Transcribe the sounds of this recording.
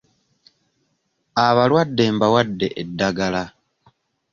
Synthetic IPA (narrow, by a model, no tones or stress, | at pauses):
aβalwadːe̞ːmbawadːe̞ʔedːaɡala